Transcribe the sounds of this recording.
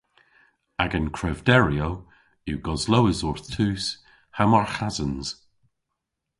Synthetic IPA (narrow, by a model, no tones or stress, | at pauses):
aɡənkʰɹɛvdɛɹio | uɡ̥ɔzlowɪzɔɹθtʰʉːs | hamaɹxazənz̥